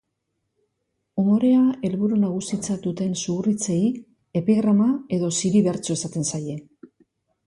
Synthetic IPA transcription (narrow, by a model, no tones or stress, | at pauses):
umo̞ɾe̞ae̞lβuɾunaɣusit͡sat̪ut̪e̞nsuurit͡se̞i | e̞piɣɾamae̞ðo̞siɾiβeɾt͡so̞esat̪e̞nsaje̞